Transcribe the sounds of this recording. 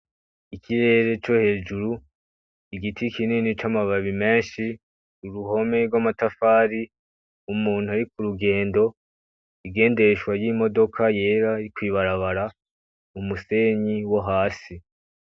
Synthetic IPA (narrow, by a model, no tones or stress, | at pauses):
ikʰiɾe̞ːɾe̞t͡ʃo̞he̞ːd͡ʒuɾu | iɡitʰikiniːnit͡ʃamaβaβime̞ːnʃi | uɾuɦo̞me̞ɾɡwamatafaːɾi | umuːn̥uaɾik̚uɾuɡe̞ːndo̞ | iɡe̞ːnde̞ɾeʃwajiːmo̞do̞kʰaje̞ːɾaɾikwiːβaɾaβaɾa | umuse̞ɲiwoɦaːsi